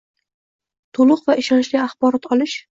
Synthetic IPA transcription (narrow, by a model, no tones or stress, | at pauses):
t̪ʰolˠʊqvaɪʃɒnt͡ʃliaχbɒɾɒt̪ʰɒlɪʃ